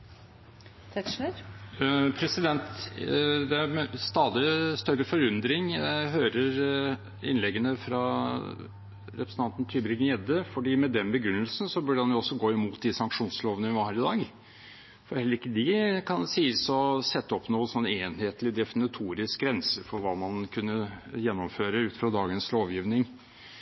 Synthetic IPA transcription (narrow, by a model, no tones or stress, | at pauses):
t̪ʰɛə | pʰɾɛsɪd̪ɛnt̪ | d̪ɛæɾmɛst̪ɑːd̪ɪst̪œɾːəfɔɾʉnd̪ɾɪŋɦøːɾəɾ | ɪ̰nlɛɡːənəfɾɑ | ɾɛpɾsn̩ʰɑnt̪nt̪ʰyːbɾɪɡnɪɛd̪əfɔɖiːmɛd̪ɛnbəɡɾʉnːəlsn̩sɔbʉɖədɑnjʊɔsːɔɡoːɪmuːt̪̚d̪ɪsɑŋkʂuːnsloːʋənəʋɪʋɑɾhæːɾɪd̪ɑːɡ | fɔɾhɛlːəɾɪkːəd̪ɪkʰɑnsiːsɔsɛt̪ːəɔpnuːənsɔnːeːnheːt̪lɪd̪ɛfɪnɪt̪ʰuːɾɪsk̚ɡɾɛnsəfɔɾʋɑːmɑnkʰʉnːəjɛnːɔmføːɾəʉːt̪fɾɑd̪ɑːɡənsloːʋjiːʋnɪŋ